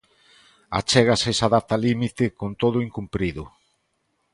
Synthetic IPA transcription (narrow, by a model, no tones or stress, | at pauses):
a̰t͡ʃɛɣasesaðat̪alimit̪ɪkont̪oðʊiŋkumpɾiðʊ